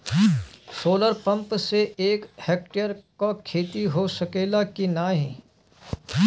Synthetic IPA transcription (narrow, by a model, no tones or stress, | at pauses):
soːləɾpə̃mpseeːkheːk̚ʈejəɾkokʰeːt̪iɦosɐkeːlakinaːɦĩː